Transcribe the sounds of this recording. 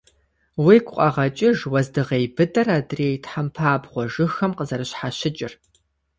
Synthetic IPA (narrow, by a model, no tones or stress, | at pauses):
wikʷʰʼqʼɑʁɐt͡ʃʼɪʒwɐzdɨʁeːjbɨdɐraːdreːjtħampʰaːbʁʷɔʒɨxɐmqəzɐɾɨɕħaɕɪt͡ʃʼɪr